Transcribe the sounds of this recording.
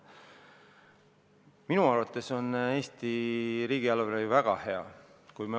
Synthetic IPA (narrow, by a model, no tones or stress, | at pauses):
minuɑrvɑt̪ːˑe̞so̞nːe̞ːst̪iɾiːɡ̥iɑlveɾejuvæɡ̥ɑhe̞ɑ̰ | kujmɑ